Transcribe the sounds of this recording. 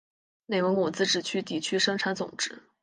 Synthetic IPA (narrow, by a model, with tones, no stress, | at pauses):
ne˥˩ɪwə˧˥ŋu˨˩t͡sɹ̩˥ʈ͡ʂɻ̩˨˩t͡ɕʰy˥t̪i˨˥˩t͡ɕʰy˥ʂɤ˥ŋʈ͡ʂʰa˧˥nt͡sʊ̰˨˩ŋʈ͡ʂɻ̩˥˦